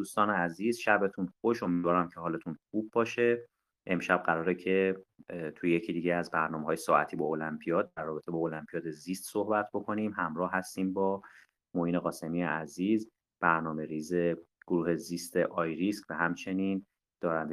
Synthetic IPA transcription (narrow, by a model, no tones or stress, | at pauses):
d̪uːst̪ɒːneæziːzʃæbet̪ʰunxoʃo̞mid̪vɒːɾæmcʰeɦɒːle̞t̪ʰunxuːb̚ːɒːʃe̞ | ʔemʃæb̥̚ɢæɾɒːɾecʰe̞ | t̪ʰuje̞cʰiːd̪iːɟeæzbæɾnɒːmeɦɒːjesɒːæt̪ʰiːbɒːolæmpʰijɒːd̪̚ːæɾːɒːbe̞t̪ʰe̞bɒːolæmpʰijɒːd̪e̞zist̪so̞hbæt̪ʰbokʰo̞nimhæmɾɒːhɦæst̪iːmbɒː | mohiːneɣɒːse̞mijeæziːz | b̥æɾnɒːme̞ɾiːze̞ɡ̥oɾuːhe̞ziːst̪ʰeʔɒːjɾiskvæhæmt͡ʃʰe̞niːn | d̪̥ɒːɾænd̪e